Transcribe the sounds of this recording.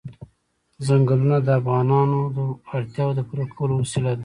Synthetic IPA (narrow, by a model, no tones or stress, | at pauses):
zaŋɡəlunad̪əafɣɑnɑnod̪əaɽt̪jɑwd̪əpuɾakolowasilad̪a